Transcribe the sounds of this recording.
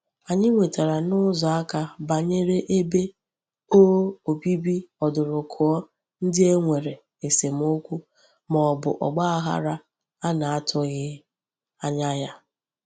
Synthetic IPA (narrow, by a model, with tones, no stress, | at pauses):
a˨ɲɪ˦ŋʷe˨ta˨ɾa˨nʊ˦zɔ˨a˦ka˨ba˨ɲe˦ɾe˦ʔe˦be˦ | oː˦o˨bi˦bi˦ɔ˨dʊ˨ɾʊ˨kʰʊ˨ɔ˦ | n̩˦dɪ˦e˦ŋʷe˨ɾe˨ | e˨se˨m̩˦o˦kʷu˦ | mɔ˨ɔ˨bʊ̰˨ʔɔ̰˨ɡ͡ba˦a˦ɦa̰˦ɾa˦ | a˦na˨a˦tʰʊ˦ɣɪ˦ | a˦ɲa˦ja˦